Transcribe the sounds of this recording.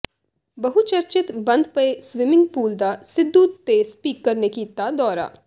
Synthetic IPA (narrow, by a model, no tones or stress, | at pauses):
bəɦut͡ʃəɾt͡ʃɪt̪bənd̪pəesʋɪmɪ̃ŋɡ̚puːld̪asɪd̪ːuːt̪ːespiːkːəɾnekit̪ːad̪ɔːɾa̰ː